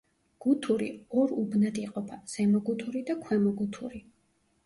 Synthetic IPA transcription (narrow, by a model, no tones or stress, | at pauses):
ɡ̥ut̪ʰuɾḭɔɾubnad̪iqʼɔpʰaz̥ɛmɔɡut̪ʰuɾid̪akʰwɛmɔɡut̪ʰuɾi